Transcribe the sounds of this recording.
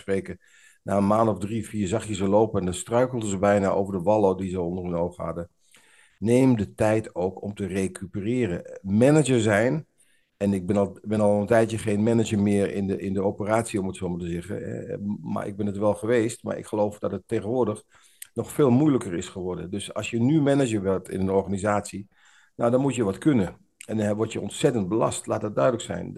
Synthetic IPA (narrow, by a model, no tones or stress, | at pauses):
spreːkə | naːənmaːnɔvdrifiːɹzɑχjəzəloːpəɛndɔnstrœɥkl̩ˠdəzəbɛjnaʔo̰ːvəɹdəʋɑlˠodizəɔndərənoːwχha̰də | neːmdətɛjtʰoːwkɔmtərekʰypərɪːrəmɛnəd͡ʒəzɛjn | ɛnɪɡ̚bɪnbɪnɑlˠəntɛjtjəχeːnmɛnəd͡ʒəmɪəɹɪ̰nɪndəopəraːtsiɔmətsoːmatəzɛɣə̰ɛ̰ma̰rɪ̰ɡ̚bɪnətʋɛlˠχəʋeːstma̰ɹɪ̰kxəlowfd̥ɑtətːeːɣənʋʊːɹdəx | nɔxfeːlˠmujləkərɪsχəʋɔɹdəndøsɑ̰lˠsjənymɛnəd͡ʒəɹʋɪlˠtɪ̰nənɔɹɣanizaːsi | nawdɔnmutjəʋɑtkønə | ɛnɛʋɔtjəɔntsɛtənt̚bəlɑ̰stlaːtət̚dœɥdələksɛ̰jn